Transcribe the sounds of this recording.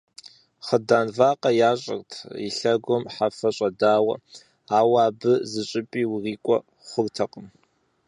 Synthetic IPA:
χədaːnvaːqʼɐjaːɕʼɐ̰rtʰḭɬɐɡʷɔmħafɐɕʼɐdaːwɐ̰ | aːwaːbɨzɨɕʼɪpʼiːwriːkʷʼɔ | χʷʊrtʰɐqʼəm

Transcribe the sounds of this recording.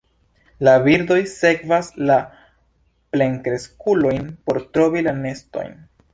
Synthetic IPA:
laviɾdo̞jse̞kvasla | ple̞ŋkɾe̞skulo̞jnpo̞ɾtɾo̞vilane̞sto̞̰jn

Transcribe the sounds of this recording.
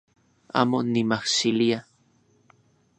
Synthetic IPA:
a̰ːmonimahsilia

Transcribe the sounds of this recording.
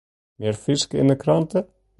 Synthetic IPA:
mjɛɾfɪskɪ̰nːɪkʰɾant̪ɪ

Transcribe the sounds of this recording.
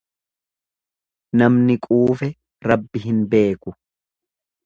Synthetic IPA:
nɐmnɪkʼuːfɛ | ɾɐbːɪɦɪnbe̞ːkʊ

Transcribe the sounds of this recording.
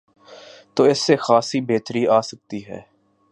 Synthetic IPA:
t̪oːɪsːexaːsibeːt̪ɾiaːsək̚t̪iɦɛ̰ː

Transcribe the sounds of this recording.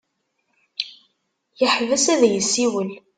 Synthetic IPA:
jəħvæsæðjəsːiwəl

